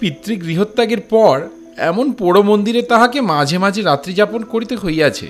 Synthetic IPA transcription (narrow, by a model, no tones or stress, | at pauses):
pit̪ːɾiɡɾiɦot̪ːaɡeɾpɔɾ | ɛ̰monpoɽomond̪iɾet̪aɦakemad͡ʑʱemad͡ʑʱeɾat̪ːɾid͡ʑaponkoɾit̪eɦojat͡ɕʰḛ